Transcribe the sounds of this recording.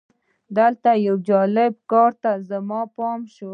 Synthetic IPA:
d̪əlt̪ajawd͡ʒɑlɪb̚kɑɾt̪azəmɑpɑmʃo

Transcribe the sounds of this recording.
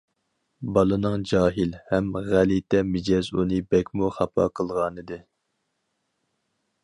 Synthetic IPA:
bɑlˠɨnɨŋd͡ʒɑːɦilhɛmʁælit̪ʰɛmɪd͡ʒɛzunɨbɛkʲmuχɑpʰɑ̰qʰəlˠʁɑnɨd̪ɨ

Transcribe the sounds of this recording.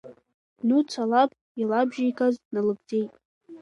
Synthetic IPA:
nut͡sʷʰalap̚ʰʼ | ilabʒajkʰʼaznalɨb̚d͡zʼe̞jtʼ

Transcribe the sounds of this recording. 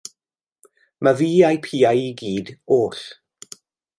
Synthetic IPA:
maviːajpʰiːajiɡiːdoːɬ

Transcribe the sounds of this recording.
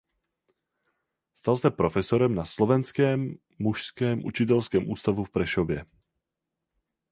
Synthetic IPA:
st̪alsapɾɔfɛsɔɾɛmnaslɔvɛnskɛːmː | uʃskɛːmʔṵt͡ʃit̪̬ɛlskɛːmʔuːst̪avufpɾɛʃɔvjɛ

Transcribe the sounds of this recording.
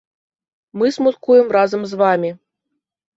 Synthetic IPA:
mɨsmut̪kujɛmrazɐmzvamʲi

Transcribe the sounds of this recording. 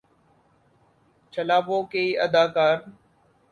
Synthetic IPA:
t͡ʃʰəlaːpoːkeːiːʔəd̪aːkaːɾ

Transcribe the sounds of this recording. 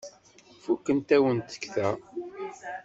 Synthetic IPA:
fukːənt̪æwənt̪ə̥kːθæ

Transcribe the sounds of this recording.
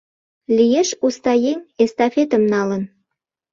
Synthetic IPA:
lijeʃust̪ɑjeŋest̪ɑfet̪əmnɑlən

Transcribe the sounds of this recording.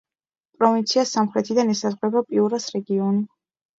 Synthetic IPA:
pʼɾɔvint̪sʰiasamχɾɛt̪ʰid̪anɛsazʁɾɛbapʼiuɾasɾɛɡiɔni

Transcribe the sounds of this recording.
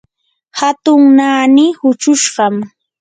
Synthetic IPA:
hat̪ʊŋnaːnɪhʊt͡ʃʊʃɢɑm

